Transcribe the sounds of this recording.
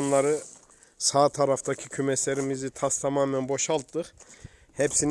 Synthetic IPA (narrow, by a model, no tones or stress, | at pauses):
nlˠaɾɯ | saːt̪ʰaɾaft̪ʰacʰicʰymɛslʲeɾimizit̪ʰast̪ʰamaːmænbo̞ʃalˠt̪ːɯχ | hepsin